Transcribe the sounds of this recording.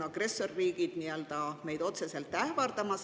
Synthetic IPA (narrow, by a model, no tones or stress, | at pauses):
ɑɡ̥re̞sːorːiːɡ̥id̪̥niøld̪̥ɑme̞jd̪o̞t̪se̞se̞lt̪ːævɑrd̪̥ɑmɑs